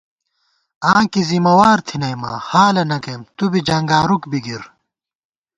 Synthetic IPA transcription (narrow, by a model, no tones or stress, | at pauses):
ãːkizimɐwaːɾt̪ʰinɐjma̰ːhaːlɐnɐkemt̪ubid͡ʑɐŋɡaːɾukbiɡiɾ